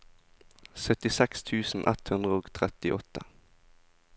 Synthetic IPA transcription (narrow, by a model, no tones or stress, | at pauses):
sœt̪ɪsɛkst̪ʰʉːsn̩ʔɛ̰t̪hʉnd̪ʁəoːɡt̪ʰʁɛt̪ɪʔɔt̪ə